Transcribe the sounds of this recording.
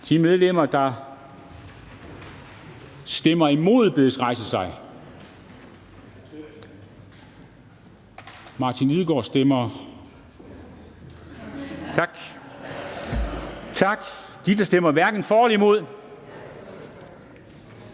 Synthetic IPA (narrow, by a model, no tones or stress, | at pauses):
d̥imeðˠlem̰ɐd̥ɑ̈ | sd̥emɐimo̝ð̰ˠb̥e̝ðˠsʁɑ̈ɪsəsɑ̈ɪ | mɑ̈ːt͡sʰiniðˠɡ̥ɒ̰ːsd̥emɐ | t͡sʰɑɡ̥ | t͡sʰɑ̈ɡ̥ | d̥id̥ɑ̈sd̥emɐʋæɐɡ̥n̩fɒːlimo̝ð̞̰ˠ